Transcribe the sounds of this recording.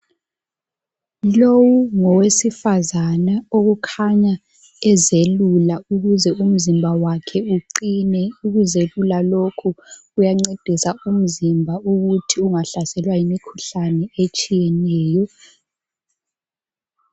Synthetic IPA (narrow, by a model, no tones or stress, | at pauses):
lowuŋɔwesifazanaoɣukʰaɲa | ɛzelulauɣuzɛum̩zimbʱawakʰɛuǀinɛuɣuzelulalokʰuujaŋ͡ǀed̥ʱisaum̩zimbʱauɣutʰiuŋaɬasɛlwaimikʰu̥ɬanɛet͡ʃʼijɛnɛːjɔ